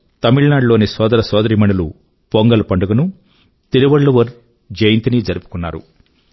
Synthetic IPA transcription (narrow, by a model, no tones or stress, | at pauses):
t̪ɐmiɭnaːɖloːnisɔːd̪ɐɾɐsɔːd̪ɐɾimɐɳulṵ | poŋɡɐlupɐɳɖuɡɐnu | t̪iɾiʋɐɭːuʋɐɾ | d͡ʒɐjɐnt̪inid͡ʒɐɾipu̥kunːa̰ːɾu